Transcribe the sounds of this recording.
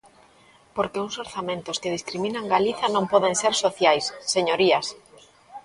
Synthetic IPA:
poɾkeuŋsoɾθamẽnt̪ʊskeð̞iskɾimĩnaŋɡaliθɐnõmpɔðeŋseɾsoθjajsːeɲoɾiɐs

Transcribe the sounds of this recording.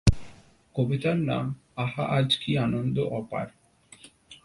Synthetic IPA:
kobit̪aɾna̰m | aɦa̰ʔad͡ʑkianond̪oʔɔpa̰ɾ

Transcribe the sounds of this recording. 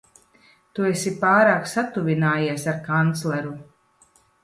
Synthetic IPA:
t̪uɛsipaːɾaːksat̪uvʲinaːjiɛsaɾkant̪slˠɛɾu

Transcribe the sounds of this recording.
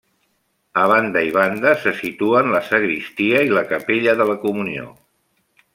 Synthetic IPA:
əβand̪əiβ̞and̪əsəsit̪uənləsəɣɾist̪iəiləkəpeʎəðələkumunio̰

